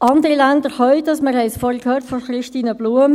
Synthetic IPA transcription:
ʔɑndəɾilændəɾhœʏdɑsməɾhɛɪsfɔkʰhøːɾtfɔχɾɪʃtiːnəb̥luəm

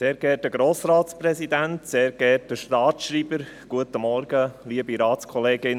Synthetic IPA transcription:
seːɾɡ̥ɛtəɡɾoːsɾɑːtsprɛsid̪ænt̪seːɾɡ̥ɛtəʃtɑːtʃɾiːbəɾ | ɡ̥uətəmɔɾɡəliːəbiɾɑːtskʰɔleːɡɪn

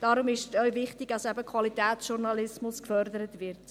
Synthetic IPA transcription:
d̥ɑɾʊmɪʃœʏvɪχtɪɡɑsɛbəkʰvɑlitɛːt͡ssʃuɾnɑlɪsmʊskfœɾdəɾətvɪɾt

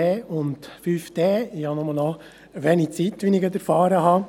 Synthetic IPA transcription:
ɛːʊntfyːfd̥̪ɛːɪhɑnɔməlnɔ | ʋɛnit͡sit̪ʋinɪɡət̪əɾfɑːɾəɦɑ

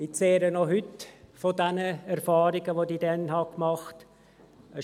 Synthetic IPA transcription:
it͡seːɾənoɦʏtfodɛnəɛɾfɑːɾiɡəʋodiːdɛnhɑkmɑχt | ə

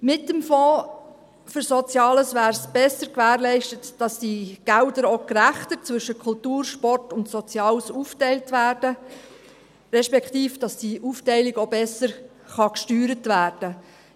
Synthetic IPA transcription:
mɪtːəmfɔː | fʏɾsot͡sjɑːləsʋæːɾsb̥ɛsəɾkʋæːɾlɛɪʃtətd̥ɑsd̥iɡ̥ældəɾokræχtət͡svʏʃəkʰʊltuːrʃpɔrtʊntsɔt͡sjɑːlsuftɛɪltʋæːɾd̥ə | ɾɛʃpɛktiːfd̥ɑsd̥iʔuftɛɪliɡobɛsəɾ | χɑkʃtyːɾətʋæːrd̥ə

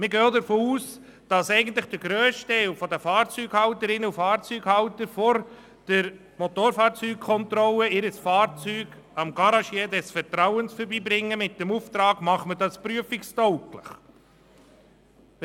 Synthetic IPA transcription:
mɪɡøːd̪əɾfoːuːs | d̥ɑsɛɪɡən̩t̪ləχd̥əɾɡɾøːstɛlfɔd̪əfɑːɾt͡syːɡhɑwtəɾɪnəufɑːɾt͡syːɡhɑʊt̪əɾfɔɾ | d̥əɾ | mɔt̪oːɾfɑːɾt͡syːk̚kʰːɔnt̪ɾɔləɪɾəsfɑːɾt͡syːɡ | ɑmɡ̥ɑɾɑʃjeːdɛsfɛɾtɾawənsfəɾbiːbɾɪŋːəmɪt̚dɛmuft̪ɾɑːɡmɑχmədɑspɾyəfɪkstɔʊkləχ

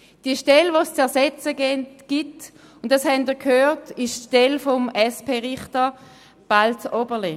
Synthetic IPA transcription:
d̥iəʃtɛlʋost͡sɛɐsɛt͡səɡ̥it | ʊnt̚dɑshɛndiːkʰhøːtɪʃtʃtɛlfɔmɛspʰeːʁɪχtə | b̥altɔbəle

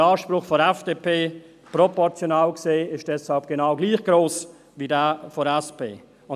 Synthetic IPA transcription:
aːʃpɾʊχfɔɾɛfd̥eːpʰeː | propɔɾt͡sjonaːlkseːɪʃd̥ɛshalp̚ɡ̥enaʊɡliːχɡ̥ɾoːs | viːdafoɾɛspʰḛː | ʊ

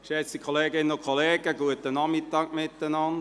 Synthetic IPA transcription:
ʃɛt͡sikʰoleːɡɪnənʊkʰoleːɡəɡuət̪ːənɑmɪt̪ːɑːɡ̥mɪt̪ːənɑnd

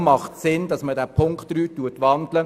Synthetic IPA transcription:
mɑχtsɪndɑsmədæːpʰʊŋktːɾyːtːuətʋɑnd̪lə

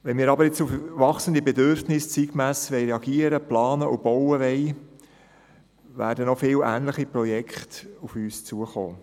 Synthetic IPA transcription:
ʋɛnmiːɾɑbəɾjet͡sufʋɑχsənd̪ibɛdøɾfnɪst͡siːɡmæsʋɛɪɾeɑɡiəɾəplɑːnəʔʊb̥ɔwəʋɛɪ | ʋæ̰ːɾdənɔfɪːlʔæːnləχiprɔjɛkχtufyːst͡suəχo̰ː

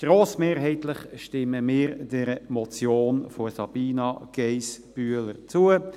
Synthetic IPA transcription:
ɡ̥ɾoːsmeːɾɦɛɪt̪ləχʃtɪməmɪːɾd̥ɛɾəmɔt͡sjoːnfosɑb̥iːnɑɡ̥ɛɪsb̥yələɾt͡suə

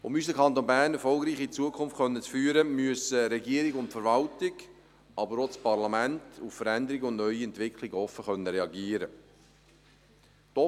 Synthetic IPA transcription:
ʊmyːs̬dəkʰɑnt̪oːnbæːʁnɛɾfɔlˠɡɾiːχit͡suəkʰʊnftχœnːət͡sfyːəɾəmyəsəɾɛɡiəɾɪɡʊntfəɾʋɑltɪɡ | ɑbəɾot͡spɑɾlɑmæntuffəɾænd̪əɾɪɡəʊnnœʏiɛntʋɪkʰlɪɡəɔfəχœnːəɾɛɑɡiːəɾə | d̥ɔ

